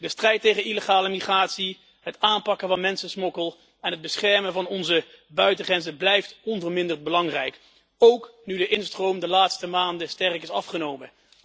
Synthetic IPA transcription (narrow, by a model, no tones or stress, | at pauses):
dəstrɛjtːejχəniləχaːləmiχraːtsi | ɦətaːnpɑkəvɑnmɛnsəsmɔkəlˠ | ɛnɦəd̚bəsχɛɹmənvɑnɔnzə | bœɥtəχrɛnzəblɛjftɔnvəɹmɪndərd̚bəlɑŋrɛjk | owknydəʔɪnstrowmdəlaːtstəmaːndəstɛrəkɪsɑfχənowmə